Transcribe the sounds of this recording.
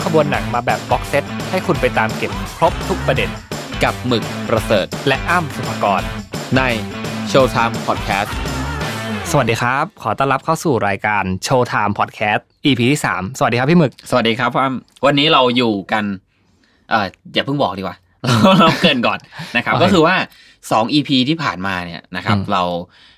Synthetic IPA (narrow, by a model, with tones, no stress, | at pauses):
kʰa˧bu˧ənːa˩˦ŋmaː˧bɛː˨˩p̚bɔ˦˥k̚se˦˥t̪̚ha˥˩jkʰu˧npa˧jt̪aː˧mke˨˩p̚kʰɾo˦˥p̚t̪ʰu˦˥k̚pɾa˧de˨˩t̪̚ka˨˩p̚mɯ˨˩k̚ɾa˧sɤː˨˩t̪̚lɛ˦˥ʔʔaː˥˩msu˨˩pʰa˧kɔː˧nːa˧jt͡ɕʰoː˧t̪ʰaː˧mpʰɔ˨˩t̪̚kʰɛː˦˥s̚ | sa˧wa˨˩diː˧kʰɾa˦˥p̚kʰɔː˩˦t̪ɔː˥˩la˦˥p̚kʰa˥˩wsuː˨˩ɾaː˧jkaː˧nt͡ɕʰoː˧t̪ʰaː˧mpʰɔː˨˩t̪̚kʰɛː˦˥st̪̚ʔiː˧pʰiː˧t̪iː˥˩sa̰ː˩˦msa˧˨˩diː˧kʰpʰi˥˩mɯ˨˩k̚sa˧wa˨˩t̚diː˧kʰɾpʰʔa˥˩m | wa˧nːiː˦˥ɾa˧wjuː˨˩ka˧n | ʔəː˨˩jaː˨˩pʰɯ˥˩bɔː˨˩k̚diː˨˩kwaː˨˩ | ɾa˧ɾa˧wkɤː˧nkɔː˨˩nna˦˥kʰa˦pkɔː˥˩kʰɯː˧waː˥˩ | sɔː˩˦ŋʔiː˧pʰiː˧t̪ʰiː˥˩pʰaː˨˩nmaː˧ni˥˩ɐna˦˥kʰa˦p̚ɾa˧w